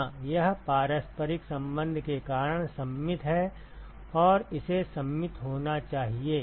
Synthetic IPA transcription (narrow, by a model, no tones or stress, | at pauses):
jɐɦpaːɾəspəɾɪksɐ̃mbə̃nd̪ʱkekaːɾəɽ̃sɐmːɪt̪ɦɛ | ɔːɾɪsesɐmːɪt̪ɦoːnat͡ʃaːɦieː